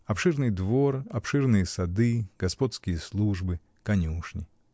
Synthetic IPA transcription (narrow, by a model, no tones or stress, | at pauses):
ɐpʂɨrnɨjd̪vo̞rɐpʂɨrnɨjəsɐd̪ɨɡ̥ɐspot̪skʲɪjəslˠuʐbɨ | kɐnʲuʂnʲɪ